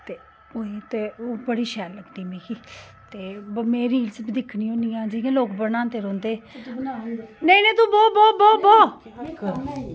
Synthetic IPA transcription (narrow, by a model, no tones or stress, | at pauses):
t̪eː | oːiːt̪eːoːbəɽiːʃɛːlləɡd̪iːmẽːkʰi | t̪eːmẽːɾiːlsbid̪ɪkʰniːõːniːãːd͡ʒiːẽːloːkbənãːnt̪eːɾɔ̃ːnd̪eː | nəĩːnẽːt̪ũːbɔːbɔːbɔːbɔː